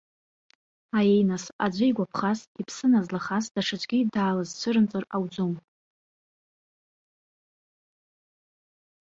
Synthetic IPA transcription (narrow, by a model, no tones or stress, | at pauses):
ajejnasa̰d͡ʒʷɪjɡʷapʰχasipʰsɨnazlaχasd̥aʂat͡ʃʷʼɡʲidaːlazt͡ɕʷʰɨɾɨnt͡sʼɨrawd͡zom